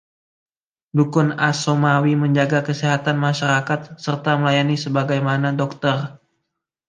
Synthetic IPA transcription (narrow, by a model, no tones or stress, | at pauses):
dukʊnasomawiməɲd͡ʒaɡakəsiɦat̪anmaʃaɾakat̪̚sərt̪aməlajanisəbaɡajmanadɔk̚t̪ər